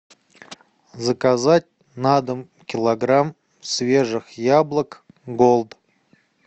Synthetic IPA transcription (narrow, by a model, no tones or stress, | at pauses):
zəkazat̚ʲ | nad̪əm | kʲɪlˠɐɡram | svʲe̞ʐɨxjablˠək | ɡolˠt̪